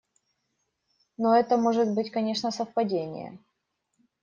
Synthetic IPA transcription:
noɛt̪əmo̞ʐɨt̪bɨtʲkɐnʲe̞ʂnəsəfpɐdʲenʲɪ̰jə̰

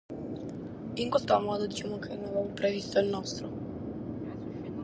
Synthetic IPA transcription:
iŋkwest̪oamɔːd̪od̪it͡ʃamokʰenevavopɾevist̪oilnɔst̪ɾo

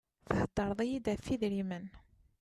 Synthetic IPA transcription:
θθəd̪ːɑɾˤðˤijid̪æθiðɾimən

